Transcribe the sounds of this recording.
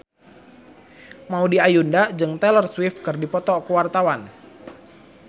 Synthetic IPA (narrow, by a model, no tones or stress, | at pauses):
maudiajundad͡ʒɨŋt̪ɛlərswɪfkɨrdipɔt̪ɔkəwart̪awan